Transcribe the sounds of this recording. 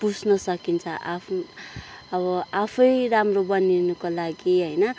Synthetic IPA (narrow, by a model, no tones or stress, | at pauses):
pud͡znʌsʌkint͡sʰʌʔapʰ | ʌbʌapʰʌjramrobʌninukolaɡiɦʌjnʌ